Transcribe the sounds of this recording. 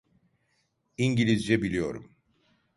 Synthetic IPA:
iɲɟilʲizd͡ʒɛbilʲijo̞̰ɾṵm

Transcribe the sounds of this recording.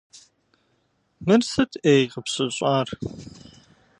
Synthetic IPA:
mɨrsɐtʰejqəpsɨɕʷʼaːr

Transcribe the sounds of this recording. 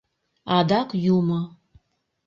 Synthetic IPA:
ɑd̪ɑkjumə

